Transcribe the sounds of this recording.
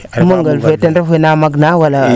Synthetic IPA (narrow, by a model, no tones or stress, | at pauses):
muŋɡalvetanvenamaɡnawala